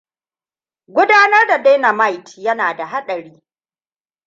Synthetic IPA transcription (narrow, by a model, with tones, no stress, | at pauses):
ɡʷʊ˦daː˦nɐ˦rda˨de˦jna˨ma˦˨jtjɐ˦naː˨da˨ɦa˦ɗɐ˨ɽiː˦